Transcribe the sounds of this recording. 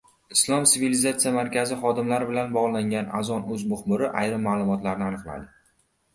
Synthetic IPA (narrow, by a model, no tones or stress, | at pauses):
ɪslˠɒmtsiɪvilizat̪sijamaɾkʲʰazɪχɒd̪ɪmlaɾɪbɪlanbɒʁlˠaŋʲana̰zɒnɵzmʊχbʊɾɪʔajɾɪmːaːlˠʊmɒt̪laɾnɪanɨqlˠa̰d̪ɪ